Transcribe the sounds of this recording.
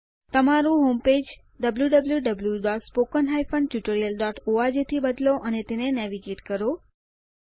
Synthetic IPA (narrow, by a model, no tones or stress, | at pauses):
t̪əmaɾũɦomped͡ʒ | ɖəbljuɖəbljuɖəbljuɖaʈspokənɦajpənʈjuʈəɾijəlɖɔʈʰoad͡ʒet̪ʰibəd̪loʔənet̪enenɛʋiɡeʈkəɾo